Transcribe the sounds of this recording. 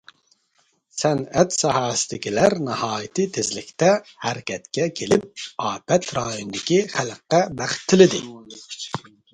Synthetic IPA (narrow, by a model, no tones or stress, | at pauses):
sɛnɛt̪sɑhɑːst̪ikʲilɛɾnɨhɑːjt̪it̪ʰezlikʰt̪ɛhæɾkʲʰɛt̪kʲɛkʲʰelip̚ɑːpɛt̪ɾɑːjund̪ikʲiχælqːɛbæχt̪ʰːɨlid̪ḭ